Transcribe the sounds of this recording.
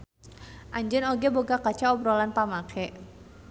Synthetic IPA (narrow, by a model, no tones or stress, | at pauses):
ʔaɲd͡ʒənɔɡɛboɡakat͡ʃaɔbɾɔlanpamakʰɛ